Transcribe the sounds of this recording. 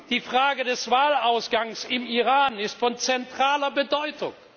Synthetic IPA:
d̥iːfʁ̥aːɡədɛsv̥aːlaʊsɡ̥aŋsɪmiʁaːnɪstfɔnt͡sɛntʁ̥aːlɐbədɔʏtʰʊ̰ŋ

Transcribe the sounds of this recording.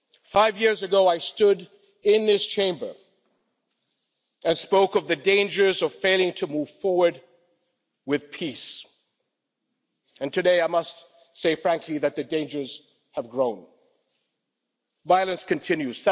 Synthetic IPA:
faɪvjɪɹzɨɡoʊaɪstʊɾ | ɪ̃nðɪst͡ʃʰẽɪ̃mbə̰˞ | ɨ̃nspoʊkʌvðɨdẽɪ̃nd͡ʒə˞zʌv̥feɪlˠɪ̃ŋtʰɨmuv̥fɔɹwə˞d̚ | wɨð̥pʰis | ɨ̃ntʰɨdeɪaɪmʌst | seɪfɹæ̃ŋkʰliðɨt̪̚ðɨdẽɪ̃nd͡ʒə˞z̥ | əvɡɹõʊ̃n | vaɪlˠɨ̃nskʰɨ̃ntʰɪ̃njʉz̥

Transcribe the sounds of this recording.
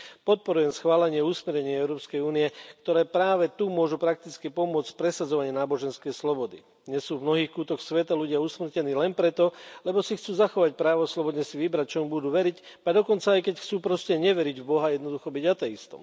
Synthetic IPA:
pɔt̪̚pɔɾujɛmsxʋaːlɛɲɪɛusmɛɾɲɛɲɪɛɛʊɾɔːpskɛjuːniɛkt̪ɔɾɛːpɾaːʋɛt̪umʊɔʒupɾak̚t̪it͡skipɔmʊɔt͡scpɾɛsad͡zɔʋaɲɪɛnaːbɔʒɛnskɛjslɔbɔd̪i | ɲɛsuːvmnɔɦiːxkuːt̪ɔxsʋɛt̪aluɟɪausmr̩cɛniːlɛnpɾɛt̪ɔlɛbɔsixt͡suːzaxɔʋac̚pɾaːʋɔslɔbɔd̪ɲɛsiʋibɾac̚t͡ʃɔmubud̪uːʋɛɾic | ad̪ɔkɔnt͡saːjkɛcxt͡suːpɾɔscɛɲɛʋɛɾiɟvbɔɦajɛd̪nɔd̪uxɔbiɟat̪ɛist̪ɔ̰m

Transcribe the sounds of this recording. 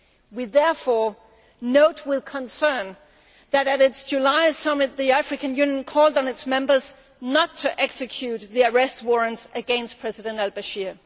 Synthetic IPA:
wiðɛɹfɔɹ | noʊt̚ʰwɪðkʰə̃nsɜ̃˞n | ðɨɾɨɾɪtsd͡ʒ̥ulaɪsʌmɨt̪̚ðiæfɹɨkɨ̃njʉ̃njə̃nkʰɔlˠdn̩ɨtsmɛ̃mbə˞z | nətʰːɨʔɛksɨkʰj̥ʉt̪̚ðiə˞ɛst̚wɔɹɨ̃nsɨɡɛ̃nstpʰɹ̥ɛzɨdɨ̃ntælbɨʃɪɹ

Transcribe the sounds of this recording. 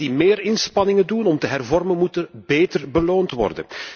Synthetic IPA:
dimeːɾɪnspɑnɪŋədunɔmtəɦɛrvɔrmənmutəbeːtərbəloːntʋɔ̰rdə̰n

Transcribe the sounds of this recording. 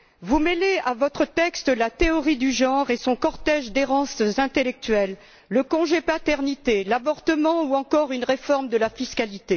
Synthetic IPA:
vumeleavɔt̪χət̪ɛkst̪əlat̪eɔʁid̪yʒɑ̃ʁesɔ̃kɔʁt̪ɛʒd̪eʁɑ̃sɛ̃t̪elɛk̚t̪ɥɛlː | əkɔ̃ʒepat̪ɛʁnit̪elabɔʁt̪əmɑ̃uɑ̃kɔʁynʁefɔʁmd̪əlafiskalit̪e

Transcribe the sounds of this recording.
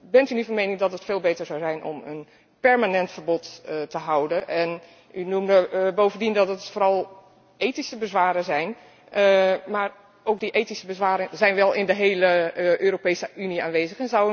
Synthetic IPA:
bɛntynyfɔnmejnɪŋdɑtətfeːlˠbejtəɹzawzɛjnʔɔ̰mən | pɛɹmanɛntfəɹbɔttəɦʌwdəʔɛn | ynumdəbowvəndindɔtətfoːɾɑlˠ | ʔejtisəbəzʋaːɾəzɛjn | maːɹ | owk̚diʔejtisəbəzʋaːɾəzɛjnʋɛlˠɪndəɦejləʔøːropejsəʔyniaːnʋeːzəχɛnzaw

